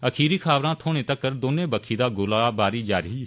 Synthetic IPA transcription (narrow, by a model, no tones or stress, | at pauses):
əkʰiːɾiːkʰaːʋɾãːt̪ʰoːɽ̃ẽːt̪əkːəɾd̪oːnẽːbəkʰiːd̪aːɡʊlaːbaːɾiːd͡ʒaːɾiː